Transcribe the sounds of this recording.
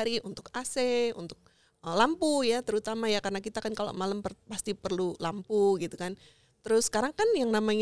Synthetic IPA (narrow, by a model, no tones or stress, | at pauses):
ɾiʔunt̪ʊkaseṵnt̪ʊk̚ | əlampujat̪əɾut̪amajakaɾənakit̪akankalo̰ʔmalampərpast̪ipərlulampuɡit̪ukan | t̪əɾʊsə̥kaɾaŋkanjaŋnamaɲ